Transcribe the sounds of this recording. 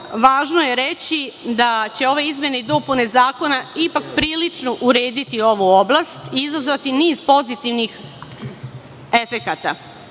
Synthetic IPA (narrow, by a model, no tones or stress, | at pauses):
ʋaːʒno̞je̞ɾet͡ɕid̪at͡ɕe̞o̞ʋe̞izmje̞neid̪o̞pune̞zaːko̞naipakpɾiːlit͡ʃno̞ʔuɾe̞ːd̪it̪io̞ʋuo̞blˠast̪iizazʋat̪iniːzpo̞zit̪iʋnix | e̞fe̞kat̪a̰